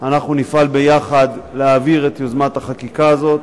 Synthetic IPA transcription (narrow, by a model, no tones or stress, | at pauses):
anaχnunifalbe̞jaχad̪leaːviʁet̪jozmat̪haχakikaːzo̞t̪̚